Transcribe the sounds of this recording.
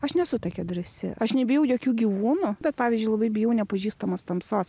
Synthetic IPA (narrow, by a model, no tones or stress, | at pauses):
ɐʃnʲɛsʊt̪ɐkʲɛd̪ɾɐsʲɪ̰ʔɐʃnʲɛbʲɪjɛʊjoːkʲuːɡʲiʋuːnʊbʲɛt̪̚pɑːʋʲɪzʲd͡ʒʲʊɪlˠɐbɐɪbʲɪjɛʊnʲɛpɐʒʲiːst̪ɐmɐst̪ɐmsoːs